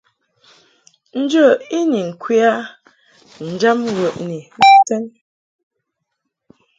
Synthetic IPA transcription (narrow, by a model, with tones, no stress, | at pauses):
n̩˦d͡ʒə˦˨i˦ni˨ŋ̩˨kwi˦a˦ | n̩˨d͡ʒa˦mɣə˨ʔni˨n̩˦˨tɛ˦n